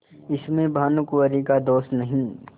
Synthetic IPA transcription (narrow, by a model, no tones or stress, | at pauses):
ɪsmẽbɐɦənʊkuʋəɾikad̪oːst̪nɐɦĩː